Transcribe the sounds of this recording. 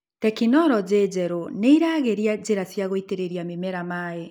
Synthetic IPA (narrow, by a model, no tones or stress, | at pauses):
tɛkinɔɾɔd͡ʑeːd͡ʑɛɾoneiɾaːɣeɾiad͡ʑeɾasjaɣoiteɾeɾiamemɛɾamaːe